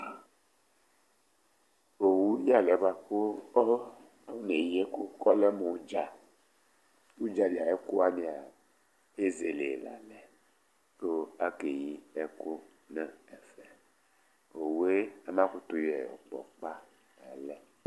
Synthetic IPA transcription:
o˨wu˦ji˦a˨lɛ˨˦ba˨ko˦ɔ˦ | a˦wu˦ne˨ji˦e˦ku˦kɔ˦lɛ˦mo˨u˦d͡ʒa˨ | u˦d͡ʒa˨li˨a˨ɛ˦ku˦a˦mĩ˨a˨ | e˦ze˨le˨la̰˨lɛ˨ | lo˦a˦ke˨ji˦ɛ˦ku˦ | nɛ˦ɛ˨fɛ˨ | o˨wu˨˦e˦a˨mã˦ku˦t̪u˨jɛ˨ɔ̰˨k͡pɔ̰˨k͡pa˦ | a˨lɛ˨

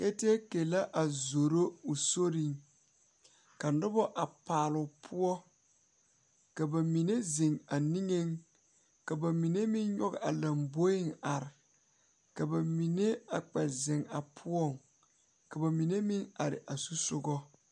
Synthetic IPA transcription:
ke˦te˦ke˨la˦ʔa˨zo˨ɾo˦u˨so˦ɾi˨ŋ | ka˨n˦dʊ˦bɔ˦ʔa˨paː˨lʊ˨pʰʊ˦ɔ˦ | ka˨ba˨mi˨ne˦zɪ˨ŋa˨ni˦ŋe˦ŋ | ka˨ba˨mi˨ne˦mɪ˦nɲɔ˦ɡɪ˨a˨la˨mbo˦ɪ˦ŋa˨ɾɪ˨ | ka˨ba˨mi˨ne˦a˨k͡pɛ˨zɪ˨ŋa˨pʰʊ˦ɔ˦˨ŋ | ka˨ba˨mi˨ne˦mɪ˦ŋa˨ɾɪ̰˨ʔa˨su˦sʊ˦ɡɔ˦

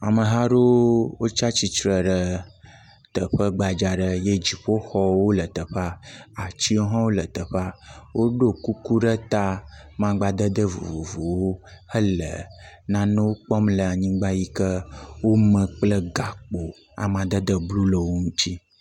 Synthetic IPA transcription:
a˨mə˨ɦa˦ɖo˦wo˦t͡ʃa˦t͡ɕi˨t͡ʃɾə˨ɖə˦ | t̪ə˨ɸə˦ɡ͡ba˨d͡ʒa˨ɖə˦je˦d͡ʒi˨ɸo˦xɔ˦wo˦lə˨t̪ə˨ɸa˦a˨t͡ʃi˦o˦ɦɔ̃˦wo˦lə˨t̪ə˨ɸa˦wʔo˦ɖo˦ku˦ku˦ɖə˦t̪a˦mã˦ɡ͡ba˦d̪ə˦d̪ə˦vṵ˨vu˨vu˨wo˦hə˦lə˨nã˦nũ˦wo˦k͡pɔ˦mlə˨a˨ɲĩ˦ɡ͡ba˦ji˦kə˦wo˦mə̃˨k͡plə˦ɡa˨k͡po˨ | a̰˨mã˨d̪ə˦d̪ə˦blu˦lə˨wo˦ŋũ˦t̪i˦

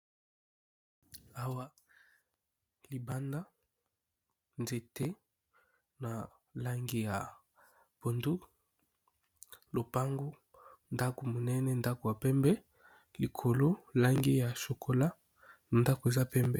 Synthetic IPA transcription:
a˦wa˦ | li˨ba˦nda˦ | nze˨te˦ | na˨ | la˦ŋɡi˦ja˨ | b̥o˨ndu˦ | lo˨pa˦ŋɡo˦ | nda˦ko˨mo˨nɛ˦nɛ˦nda˦ko˨ja˨pɛ˦mbɛ˦ | li˨kʰo˨lo˦la˦ŋɡi˦ja˨so˨kʰo˦la˦˨ | nda˦ko˨e˨za˦pɛ˦mbɛ˨

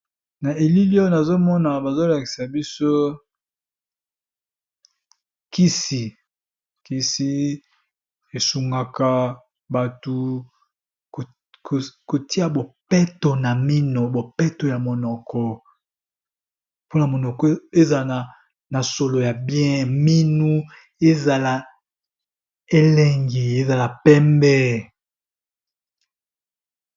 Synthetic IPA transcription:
na˨e˨li˦li˦o˦na˨zo˦mɔ˦na˨ba˨zo˦la˨ki̥˨sa˨bi˦so˦ | ki˦si˨ | ki˦si˦ | e˨su˨ŋɡa˨ka˨ | ba˨tu˨ | k | kko˨ti˦a˨bo˨pɛ˦to˨na˨mi˦no˨bo˨pɛ˦to˨ja˨mo˨nɔ˨kɔ˨ | po˦na˨mo˨nɔ˨kɔ˨˦e˦za˨la˨a˨ | na˨so˨lo˨ja˨bjɛ̃˦mi˦nu˦ | e˦za˨la˨ | e˦lɛ˦ŋɡi˨e˦za˨la˨pɛ˦mbɛ˦

